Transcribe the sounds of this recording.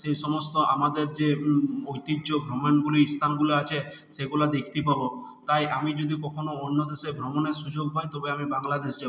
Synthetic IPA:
sejʃɔmost̪oʔamad̪eɾd͡ʑeojt̪id͡ʒd͡ʒobʱɾomonɡuliist̪ʰanɡuloat͡ʃʰe | seɡulad̪ekʰt̪ipabo | t̪ajʔamid͡ʒod̪ikɔkʰonoonːod̪eʃebʱɾomoneɾʃud͡ʑoɡ̚pajt̪ɔbeamibaŋlad̪esd͡ʑabo

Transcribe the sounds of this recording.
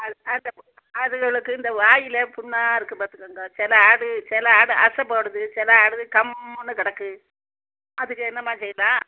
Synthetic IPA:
ɐɐnd̪ɐp | ɐðɯɣɐɭɯkːɯɪnd̪ɐʋaːjɪlɐpʊɳːaːɪɾɯkːɯpaːɾt̪ɯkːaːŋɡɐt͡ʃɛlɐaːɽɯt͡ʃɛlɐaːɽɯʔɐsɐpoːɽɯðɯt͡ʃɛlɐaːɽɯðɯkɐmnːɯkɪɽɐkːɯ | ɐðɯkːɯɛnːɐmaːt͡ʃɛjːɪlãː

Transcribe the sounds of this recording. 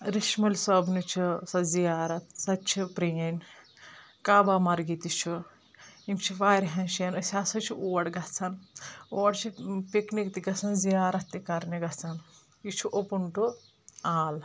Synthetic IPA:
ɾiʃmɐlʲsɐbnut͡ʃʰisɐzijaːɾɐt̪̚sɐt͡ʃʰipɾejɐnʲ | kaːbamɐɾɡit̪it͡ʃʰu | imt͡ʃʰiʋaːɾɦɐnʃiɐnɐsʲaːsɐt͡ʃʰiʔoːɐɽɡɐt͡sʰɐnoːɽt͡ʃʰipiknikt̪iɡɐt͡sɐnzijaːɾɐt̪ːikɐɾnɐɡɐt͡sɐn | it͡ʃʰuʔopuɳʈu | aːl

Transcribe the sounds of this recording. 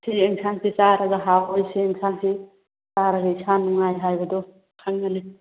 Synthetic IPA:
sieŋsansisaɾɐɡaɦawojsiːŋsʰansi | saɾaɡɐisanːuŋajɦajbɐdɔ | kʰaŋːane

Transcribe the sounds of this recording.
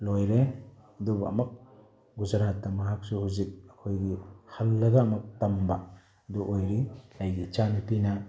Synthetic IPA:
lojɾedubɐ̰mɐk̚ | ɡuzaɾatːamɐɦak̚suhuzik̚ɐkʰojɡihɐlːɐɡaːmɐk̚tamba | duʔojɾilajɡit͡ʃanipina

